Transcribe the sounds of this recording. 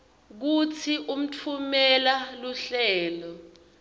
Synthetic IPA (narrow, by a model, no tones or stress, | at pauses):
k̬ut͡sʰiʔum̩tʰumɛlaluɬɛːlɔ